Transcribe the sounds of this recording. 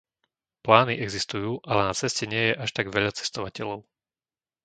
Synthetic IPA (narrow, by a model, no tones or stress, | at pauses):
plaːniʔɛɡzist̪ujuːʔalɛnat͡sɛscɛɲɪɛjɛʔaʃt̪aɡʋɛʎat͡sɛ̥st̪ɔʋacɛʎɔʊ